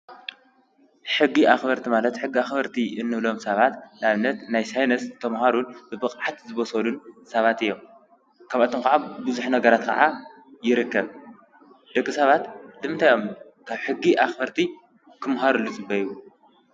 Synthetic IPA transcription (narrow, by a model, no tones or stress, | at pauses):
ħɨɡːiʔaxbɐɾt̪ʰimalɐt̪ħɨɡːiaxbɐɾt̪ʰiɨnːɨβlo̞msɐβat̪naβnːɐt̪najsajnɐst̪ʰɐmhaɾunbɨbɨqʼʕat̪zɨβɐsɐlunsɐβat̪ɨjːom | kʰaβat̪ʰomkɐʕabɨzuħnɐɡɐɾat̪kʰɐ̰ʕa | jɪɾɨkːɐβ | d̪̥ɐkʼːisɐβat̪lɨmɨnt̪ʰajo̞m | kʰaβħɨɡːiʔaxbɐɾt̪ʰi | kʰɨmɦaɾulːut͡sʼɨbɐjwu